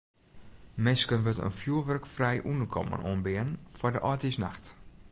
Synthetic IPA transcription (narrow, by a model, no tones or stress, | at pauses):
mɪnskənʋøtə̰nfjuəʋørkfrɛjʔundərkʰɔ̰mə̰no̰ənbɪənfɔdəʔɔtisnaxt